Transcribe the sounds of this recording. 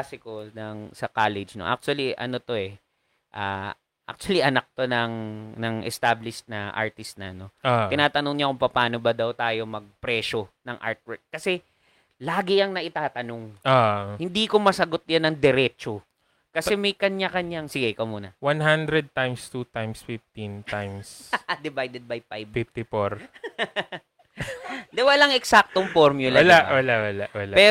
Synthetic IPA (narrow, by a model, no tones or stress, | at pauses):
asɪko̞nɐŋsɐkaːlɛd͡ʒnoʔa̰k̚t͡ʃʊɐliʔɐ̰no̞t̪o̞ɛ | ʔa̰ː | ʔa̰k̚t͡ʃ̪ʊwɐliʔɐnɐk̚t̪o̞nɐŋnɐŋʔɛ̰st̪ablɪʃt̪̚nɐʔa̰ɹt̪ɪst̪̚nɐno̞oɪnaːt̪ɐnoŋɲakʊŋpɐpaːno̞bɐd̪ɐwt̪aːjo̞mɐɡ̚pɾɛːʃo̞nɐŋʔa̰ɹt̪̚wɛk̚kːɐsɛ | laːɡɪjɐŋnɐʔɪt̪aːt̪ɐnoŋohɪnd̪ikomɐsɐɡo̞t̪̚janːɐŋd̪ɛɾɛːt͡ʃo | kɐsɛmɐjkɐɲjakɐɲjaŋsɪɡɐjkɐmuːnɐ̰wanɦand̪ɾɛd̪̚t̪ãjmst̪ut̪ajmsfɪft̪int̪ajmsd̪ɪvajd̪ɛd̪̚bɐjfajbfɪft̪ɪfoɾ | d̪ɛwɐlaŋɛksak̚t̪oŋfoɾmjʊlɐɐlawɐlawɐlawɐlapɛ